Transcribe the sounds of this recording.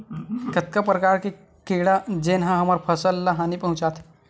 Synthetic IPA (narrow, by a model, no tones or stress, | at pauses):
kət̪̚kapɾəkaɾke | keɽad͡ʒenɦãɦɐmaɾpʰəsəlːaɦanipəɦũt͡ʃat̪ʰ